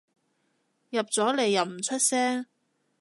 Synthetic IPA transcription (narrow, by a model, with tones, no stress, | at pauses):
jɐ˨p̚t͡sɔː˨˥le˨jːɐ˨wm̩˨˩t͡ʃʰɵ˥t̚sɛː˥ŋ